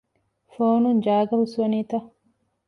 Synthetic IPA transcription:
foːnʊnd͡ʒaːɡɐhʊsʊɐniːt̪ɐ

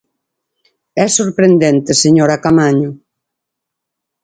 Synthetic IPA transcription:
ɛsoɾpɾend̪ent̪eseɲoɾakamaɲʊ

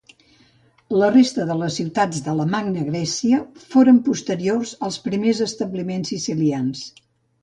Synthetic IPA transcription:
lərest̪əðələsiwt̪ad͡zðələmaŋnəɣɾɛsiəfoɾəmpust̪əɾiorzəlˠspɾimezəst̪əβlimensisilians

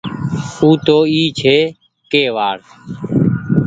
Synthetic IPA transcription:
uːt̪oːiːt͡ʃʰeː | keːʋaːɽ

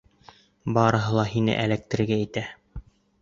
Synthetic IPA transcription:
bɑɾɤ̆ɦɤ̆lˠɑhinɘ̰ʔælæk̚t̪ɘ̆ɾɡæit̪æ

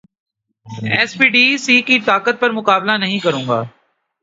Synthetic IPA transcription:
ɛːspiːɖiːsiːkit̪aːkət̪̚pɐɾmʊkaːblanɐɦĩkɐɾũːŋɡa̰ː

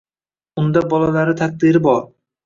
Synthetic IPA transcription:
ʊnd̪abɒlˠalaɾɪt̪ʰak̚d̪iɾɪbɒɾ

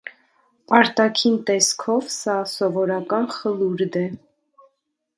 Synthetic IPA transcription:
ɑɾt̪ɑkʰint̪ɛskʰɔvsɑsɔvɔɾɑkɑnχəluɾd̪ɛ

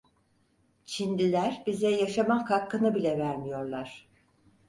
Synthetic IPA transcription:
t͡ʃʰind̪ʲilʲæɾbizɛjaʃamankʰakʰːɯnɯbilʲɛvæɾmijo̞ɾlˠaɾ̝̥

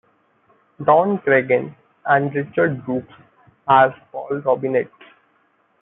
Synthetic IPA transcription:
ɖɔ̃ːnkɾeːɡə̃n | æ̃ɳɖɾɪt͡ʃəɾɖɡuːks | æzpɔːlɾɔbineʈs

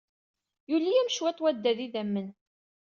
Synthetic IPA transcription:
julːijæmʃwæt̪ːwæd̪ːæðiðæmːən

